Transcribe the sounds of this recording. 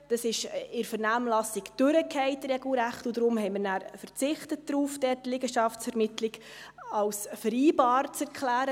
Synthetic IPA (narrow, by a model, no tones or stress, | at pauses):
d̥ɑsɪʃɪɾfəɾnæːmlɑsɪkd̥øɾəkʰɛɪtrɛɡl̩ɾæχtʊdɾʊmhɛɪmɪɾnæːɾfəɾt͡sɪχtət̚d̥ɾuːfd̥ɛːtlɪɡəʃɑfsfɛɾmɪtlɪɡ | ɑwsfəɾiːbɑːɾt͡sɛɾkʰlæːɾə